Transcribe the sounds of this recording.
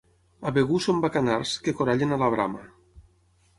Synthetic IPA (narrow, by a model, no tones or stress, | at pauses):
aβeɣusombakanarskekoɾaʎenalaβ̞ɾa̰ma